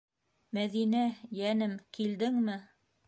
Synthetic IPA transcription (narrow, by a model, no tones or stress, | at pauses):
mæðinæjænɘmkild̪ɘŋmɘ